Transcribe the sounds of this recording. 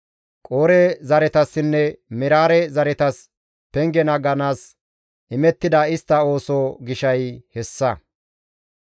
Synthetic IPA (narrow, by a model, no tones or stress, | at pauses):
kʼoːɾɛzɐɾɛt̪ɐsːɪnːɛmɪɾaːɾɛzɐɾɛt̪ɐs | pɛŋɡɛnɐɡɐnaːs | ʔɪmɛt̪ːɪd̪ɐɪst̪ːɐo̞ːsoːɡɪʃɐjhɛsːɐ